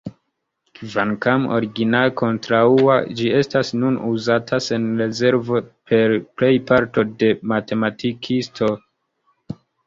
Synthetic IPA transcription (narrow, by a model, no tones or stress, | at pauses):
kvankamo̞̰ɾiɡinalko̞ntɾaua̰d͡ʒie̞stasnunuzatʰase̞nɾe̞ze̞ɾvo̞pʰe̞ɾple̞jpaɾto̞de̞mate̞matʰikʰistʰo̞